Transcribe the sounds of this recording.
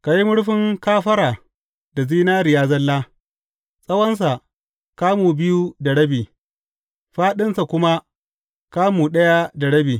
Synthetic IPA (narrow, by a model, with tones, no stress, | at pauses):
ka˨ji˦mʊ˦ɽɸɪ˦ŋkaː˦ɸɐ˦ɾaː˨ | da˨ziː˦naː˦ɾɪ˨jaː˦zɐ˦lːaː˦ | sʼɐ˦wɐ˦ns̬a˨ | kaː˦muː˨bɪ˦ju˦da˨ɽɐ˦biː˨ | ɸaː˦ɗɪ˦nsa˨kʷʊ˦ma˦ | kaː˦muː˨ɗɐ˦ja˦da˨ɽɐ˦biː˨